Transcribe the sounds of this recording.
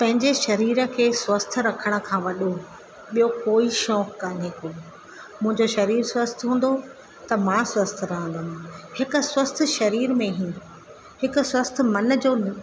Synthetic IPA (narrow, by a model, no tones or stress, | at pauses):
pɐ̃ɦɪ̃ɲd͡ʑeʃɐɾiːɾə̆kʰeːswɐst̪̆ʰɾɐkʰəɽ̃̆kʰãːʋɐɗo | ɓijokoːiʃɔːkːãːneːko | mʊ̃ɦɪ̃ɲd͡ʑoʃɐɾiːɾswəst̪ʰɦũːn̆d̪o | t̪ɐmãswɐst̪ʰɾɐɦə̃nd̪aːnɪhɪkʊ̆swɐst̪ʰʃɐɾiːɾmẽɦĩːn̆d̪o | hɪkʊ̆swɐst̪̆ʰmɐn̆d͡ʑoːn